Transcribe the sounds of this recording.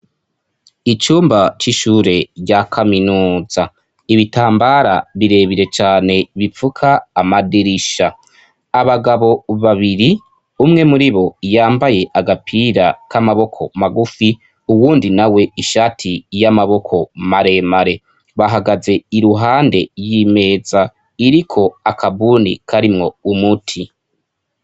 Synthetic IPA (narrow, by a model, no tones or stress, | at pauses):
it͡ʃuːmbat͡ʃiʃuːɾe̞ɟakʰaminuːza | iβitaːmbaɾa̰βiɾe̞βiɾe̞t͡ʃaːne̞βifukʰaːmadiɾiʃaː | βaɡaβo̞βaβiɾi | umŋe̞muɾiβo̞jaːmbaje̞ʔaɡapʰiɾakamaβo̞kʰo̞maɡufi | uwuːndinawe̞iʃaːtʰijamaβo̞kʰo̞maɾe̞maɾe̞ | βaɦaɡaze̞iɾuɦaːnde̞jime̞ːza | iɾikʰo̞akʰabunḭkʰaɾimŋo̞umutʰi